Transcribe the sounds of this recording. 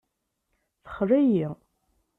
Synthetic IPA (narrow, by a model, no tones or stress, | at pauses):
θə̥χɾæji